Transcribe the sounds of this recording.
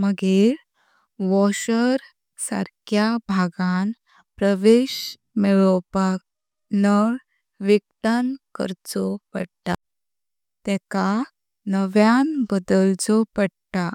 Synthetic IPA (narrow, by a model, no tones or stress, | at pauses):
məɡeɾ | ʋɔɕəɾ | sa̰ɾkjabʱaɡãn | pɾəʋeɕ | meɭɔpak̚ | nəɭ | ʋiɡt̪ankə̰ɾt͡sɔpəɽt̪a | t̪ɛka | nəʋjanbəd̪əld͡zɔpəɽt̪a